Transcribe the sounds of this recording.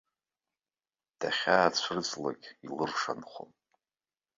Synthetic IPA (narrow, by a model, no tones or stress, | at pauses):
d̥aχʲaːt͡ɕʷʰrd͡zʷla̰kʲʼilɨrʂa̰nχʷo̰m